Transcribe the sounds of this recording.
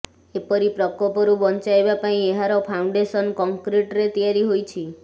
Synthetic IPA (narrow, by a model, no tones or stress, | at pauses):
epɔɾipɾɔkɔpɔɾubɔnt͡ʃajbapaĩeɦaɾɔpʰauɳɖesɔnkɔŋkɾiʈɾet̪ijaɾiɦojt͡ʃʰi